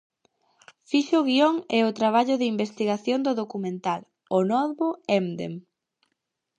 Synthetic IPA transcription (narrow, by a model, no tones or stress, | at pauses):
fiʃʊɣioŋɛʊt̪ɾaβ̞aʎʊðimbest̪iɣaθjond̪ʊðokumẽnt̪al | onɔðβʊɛmd̪ḛm